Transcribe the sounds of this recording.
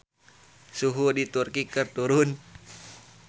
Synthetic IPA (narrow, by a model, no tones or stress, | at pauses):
suɦudit̪urkikərt̪uɾun